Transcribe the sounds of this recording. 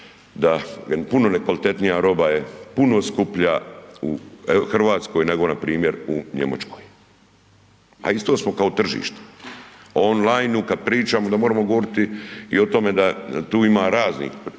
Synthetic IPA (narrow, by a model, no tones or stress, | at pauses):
d̪apuno̞nekʋalit̪e̞t̪nijaɾo̞bajepunoskupʎauxr̩ʋaːt̪sko̞ːjneɡo̞napɾiːmje̞ɾuɲḛma̰t͡ʃko̥ːj | a̰ist̪o̞ːsmo̞kao̞t̪r̩ʒḭːʃt̪e̥oonlajnukad̪̚pɾiːt͡ʃaːmod̪amoːɾamoɡoʋoɾit̪iḭo̞t̪o̞me̞d̪at̪uːimaːɾaːznḭx